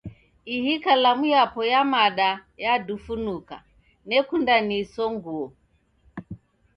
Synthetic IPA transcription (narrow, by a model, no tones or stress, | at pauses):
iɦikalamujapɔjamaɗajadufunuka̰ | nɛkundanisɔŋɡuɔ